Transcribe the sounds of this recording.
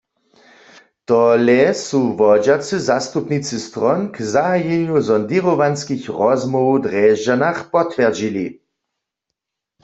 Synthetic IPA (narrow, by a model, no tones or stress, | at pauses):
t̪ɔlɛsuʋɔd͡ʒat͡sɨzast̪upnit͡sɨst̪ʁɔnkzajɛɲuzɔnd̪iʁoʋanskixʁɔzmɔud̪ʁɛʒd͡ʒanaxpɔt̪ʋɛʁd͡ʒili